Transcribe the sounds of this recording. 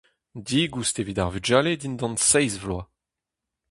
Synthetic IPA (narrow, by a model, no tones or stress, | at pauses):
d̪iɡustevidaʁvyd͡ʒaːled̪indɑ̃nsɛjzvlwa